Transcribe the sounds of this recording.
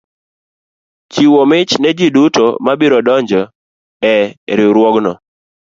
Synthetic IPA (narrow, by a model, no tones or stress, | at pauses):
t͡ʃiwɔmɪt͡ʃnɛd͡ʒiduto̰mabiɾɔdɔɲd͡ʒɔ | ɛɾɪɾwɔɡnɔ